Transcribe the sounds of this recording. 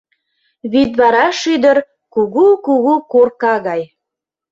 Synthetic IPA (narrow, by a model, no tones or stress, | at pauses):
βit̪βɑɾɑʃyd̪əɾ | kuɣukuɣukorkɑɣɑj